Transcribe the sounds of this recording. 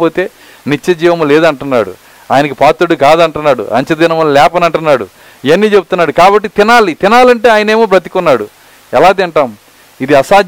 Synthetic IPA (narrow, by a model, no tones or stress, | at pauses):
o̞ːt̪e̞ː | nit͡ʃːɐd͡ʒiːʋɐmuleːd̪ɐɳʈunːa̰ːɽṵ | a̰ːjɐnɐkipaːt̪ːuɽikaːd̪ɐɳʈunːaːɽṵʔɐ̰ɲt͡ʃɐd̪iːnɐmɐnlɛːpɐnɐɳʈunːaːɽṵ | iɐnːiːt͡ʃebut̪unːaːɽukaːbɐʈːit̪inaːlit̪inaːlɐɳʈe̞ːaːjɐne̞ːmoːp̬ɾɐt̪i̥kunːaːɽu | ɛlaːd̪iɳʈaːm | id̪iɐsaː